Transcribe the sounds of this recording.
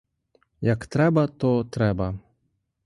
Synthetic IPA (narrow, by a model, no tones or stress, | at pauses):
jɐkt̪ɾɛbɐt̪ɔt̪ɾɛbɐ